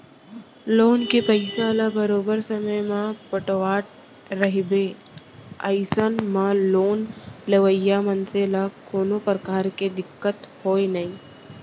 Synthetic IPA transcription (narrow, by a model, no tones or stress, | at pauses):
loːnkepɐɪsaːlabɐɾoːbəɾsɐməjmãpəʈoaːʈ̚ | ɾɐɦbeː | əɪsənmãloːnleʋəjːamɐ̃nselakoːnopɾəkaːɾked̪ɪkːət̪hoːenɐĩː